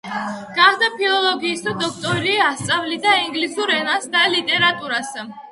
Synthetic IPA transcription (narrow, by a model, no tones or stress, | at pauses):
ɡ̥aχd̪apʰilˠɔlˠɔɡiːsd̪ʰad̪ɔk̚ʰt̪ʼɔɾliːast̪sʼavlid̪aiŋɡlisuɾɛnasd̪alit̪ʼɛɾat̪ʼuɾas